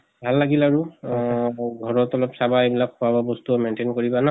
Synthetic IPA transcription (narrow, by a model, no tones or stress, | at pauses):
bʱalːaɡilaɹu | ɡʱɔɹɔtɔlɔpsabaebilak̚xuababɔstuɔmentenkoɹibana